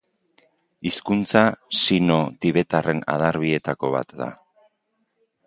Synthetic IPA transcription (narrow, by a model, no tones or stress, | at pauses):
iskunt͡sasino̞t̪iβ̞e̞t̪are̞na̰ð̞aɾβie̞t̪ako̞βa̰t̪d̪a̰